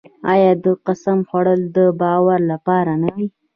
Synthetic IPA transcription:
ɑjɑd̪əqasamxwaɽəld̪əbɑwaɾlapɑɾanawi

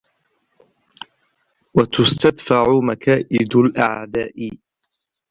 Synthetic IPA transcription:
wat̪ʊst̪ad̪faʕʊmakaːʔɪd̪alʔaʕd̪aːʔɪ

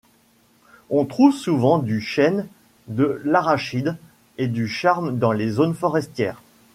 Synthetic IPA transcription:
ɔ̃t̪χuvsuvɑ̃d̪yʃɛn | d̪əlaʁaʃid̪ | ed̪yʃaʁmd̪ɑ̃lezonfɔʁɛst̪jɛːʁ

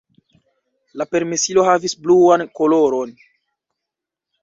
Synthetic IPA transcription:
lape̞ɾmesilo̞havisbluankolo̞ɾon

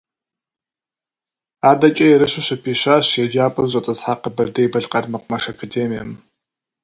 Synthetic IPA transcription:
aːdɐt͡ʃʼɐjɛɾɨɕʷɪɕɐpʰiːɕaːɕjɛd͡ʒaːpʼɐzʑʷʼɐtʼɐzħaqəbɐrdɐjbɐɮqɐrmɐqʷʼʊmɐʂɐkʰɐdeːmijɐ̰m

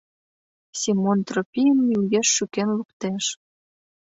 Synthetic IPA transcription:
simont̪ropʲijənːiujeʃːykenlukt̪eʃ

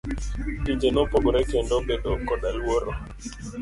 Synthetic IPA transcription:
tid͡ʒenopɔɡɔɾɛkendobeɗokɔɗalwoɾo

